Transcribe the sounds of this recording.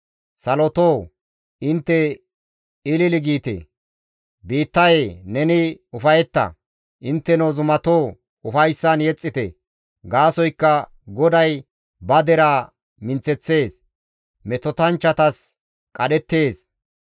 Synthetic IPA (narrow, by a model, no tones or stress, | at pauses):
sɐlɔt̪oː | ɪnt̪ːɛ | ɪlɪlɪɡiːt̪ḛ | biːt̪ːɐjenɛnɪʊfɐjɛt̪ːɐ̰ | ʔɪnt̪ːɛnoːzʊmɐt̪oː | ʊfɐjsːɐnjɛt͡sʼːɪt̪ɛ | ɡaːsɔjkːɐ | ɡɔd̪ɐj | bɐd̪ɛɾaː | mɪnt͡sːɛt͡sːe̞ːs | mɛt̪ɔt̪ɐnt͡ʃːɐt̪ɐs | kʼɐɗɛt̪ːe̞ːs